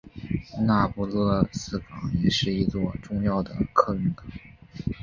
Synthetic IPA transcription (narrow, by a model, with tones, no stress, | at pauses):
na˥˧pu˥˧lɤ˥˧sɹ̩˥˩kɑ˨˩˦ŋjɛ˨˩ʂɻ̩˥˩i˧˥t͡swɔ˥˧ʈ͡ʂʊ˥˧ŋjɑ˥˩ʊd̪ə̰˩kʰɤ˥˧y˥˩ŋkɑ̥˨˩˦